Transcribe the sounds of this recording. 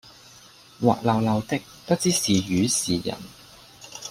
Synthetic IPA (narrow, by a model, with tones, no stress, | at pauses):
wa̰ː˨k̚lɐ˨wlɐ˨˧wt̪ɪ˥k̚pɐ˥t͡siː˥siː˨jyː˨˥˦siː˨jɐ̰˨˩n